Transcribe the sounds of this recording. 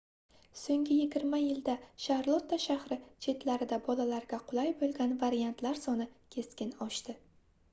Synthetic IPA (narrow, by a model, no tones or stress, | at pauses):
soŋɡʲɪjɪɡʲɪɾmajɪld̪aʃahɾlˠot̪ːaʃahɾɪt͡ʃʰe̞t̪laɾɪd̪abɒlalaɾɡʲaqʰʊlˠajbolˠɡʲanvaɾijant̪laɾsɒnɪkʲʰe̞skʲɪnɒʃt̪ɪ